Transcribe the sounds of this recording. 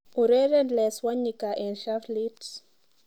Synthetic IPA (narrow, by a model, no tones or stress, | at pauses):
uɾɛɾɛndlɛswaɲikaʔɛ̃nʃaflit